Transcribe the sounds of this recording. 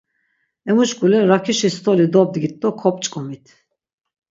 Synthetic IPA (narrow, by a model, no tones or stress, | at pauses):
ɛmuʃkʼulɛɾakʰiʃist̪ʰɔlid̪ɔb̚d̪ɡit̪ʼːɔkʰɔpʼt͡ʃʼkʼɔmit̪ʰ